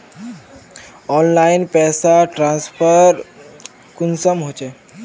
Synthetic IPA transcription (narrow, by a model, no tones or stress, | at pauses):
ɔnlainpɛːsaʈɾãnspʰəɾ | kunsəmɦot͡ʃe